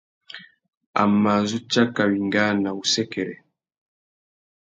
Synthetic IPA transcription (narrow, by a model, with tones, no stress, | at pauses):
a̰˨ma˨zu˦t͡ʃa˦ka˨wi˨ŋɡa˦na˨u˨sɛ˦kɛ˨ɾɛ˨